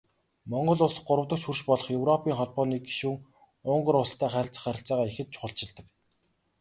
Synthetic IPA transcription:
mɔɴɢɞ̆ɮʊsə̥̆χɢʊɾə̆wt̪ə̆k̚t͡ɕxurt͡ɕpɔɮɞ̆χjɵwrɔpiːŋχɔɮpɔːniːɡi̥ʃuːŋ | ʊɴɢɞ̆ɾʊst̪ʰːæːχæɾʲɪ̆ɬt͡sə̆χæɾʲɪ̆ɬt͡saːʁaːexɘ̆t̪̚t͡ɕʰʊ̥χə̆ɬt͡ɕɪ̆ɮt̪ə̆k

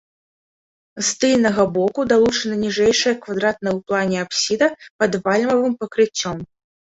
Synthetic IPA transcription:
st̪ɨlʲnɐɣɐbɔkud̪alˠut͡ʂɐnɐnʲiʐɛjʂɐjɐkvad̪ɾat̪̚nɐjwplˠanʲɛapsʲid̪ɐpɐd̪valʲmɐvɨmpɐkɾɨt͡sʲːɔm

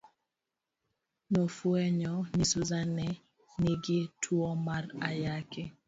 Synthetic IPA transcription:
nɔfuɛɲɔnisuzanɛ | nɪɡɪtʰwɔmarajakɛ

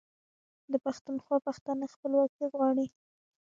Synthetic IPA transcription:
d̪əpaxt̪unxwɑpaxt̪anaxpəlwɑk̚iɣwɑɽi

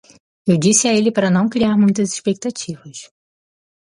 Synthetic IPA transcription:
ewd͡ʒisɪaelɪpaɾɐnɐ̃w̃kɾiaɾmũj̃t̪ɐziʃpek̚t̪at͡ʃivɐs

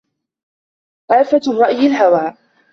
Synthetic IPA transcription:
ʔaːfarˤːɑʔjɪlɦawaː

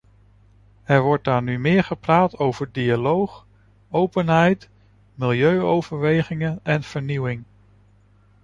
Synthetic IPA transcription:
ɛɹʋɔɹt̚daːɹnymɪːɹχəpraːtowv̥əɹdialowχ | owpənɦɛjt | mɪlˠjøɥowv̥əɹʋejχɪŋənɛnv̥əɹniwɪŋ

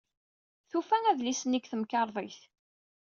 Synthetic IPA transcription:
θufæŋæðlisniɡθəmkɑɾˤðˤeθ

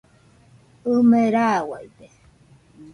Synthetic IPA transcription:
ɯmeɾawaide

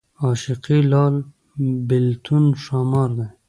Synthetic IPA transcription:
ɑːʃiqilɑːl | bɪlt̪ʰunʃɑːmɑːɾd̪e

